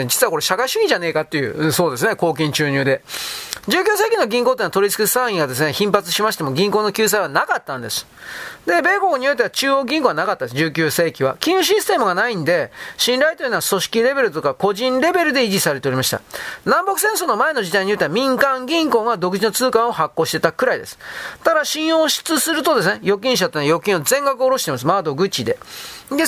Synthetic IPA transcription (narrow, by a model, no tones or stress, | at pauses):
d͡ʑit͡sɨβako̞ɾe̞ɕakaiɕɨĩʑane̞ːkat̪ːe̞jɯ̟̰so̞ːd̪e̞s̬ɨne̞ko̞ːk̬ʲĩɲ̟t͡ɕɨːɲɨːd̪e̞d͡ʑɨːkʲɨːs̬e̞ːkʲinoɡʲĩŋkot̪enːat̪o̞ɾʲit͡sɨ̥kisãɰ̃ĩɡad̪e̞s̬ɨne̞çĩmpat͡sɨ̥ɕimaɕi̥t̪e̞mo̞ɡʲĩŋko̞ːno̞kʲɨːs̬aiβanakat̪ːãnd̪e̞sɨ̥d̪e̞be̞ːboɲ̟ijo̞t̪̬ːeat͡ɕɨːo̞ɡʲĩŋko̞ːɡanakat̪ːad̪esɨd͡ʑɨːkʲɨːse̞ːkʲiβa̰kʲĩɲ̃ɯɕ̬isɨ̥t̪e̞mɯ̟ɡanaĩnd̪e̞ɕĩnɾait̪oinaaso̞ɕi̥kʲiɾe̞be̞ɾɯ̟t̪o̞kako̞ʑĩnɾe̞be̞ɾɯ̟d̪e̞iʑisaɾe̞t̪e̞o̞ɾʲimaɕit̪a̰nãmbo̞kɯ̟s̬ẽ̞ɰ̃so̞ːno̞mae̞no̞d͡ʑid̪aiɲ̟ijo̞t̪eβamʲĩŋkãŋɡʲĩŋko̞ːɡad̪o̞kɯ̟ʑino̞t͡sɨːkãɰ̃o̞hakːo̞ːɕi̥t̪e̞t̪akɯ̟ɾaid̪e̞sɨ̥t̪ad̪aɕĩɰ̃oːɕi̥t͡sɨsɨɾɯ̟t̪o̞d̪e̞sɨnejo̞kʲĩɰ̃ɕ̬at̪enajo̞kʲĩɰ̃ozẽ̞ŋɡakɯoːɾo̞ɕi̥t̪e̞mas̬ɨmad̪o̞ɡɯ̟t͡ɕːid̪e̞̰d̪e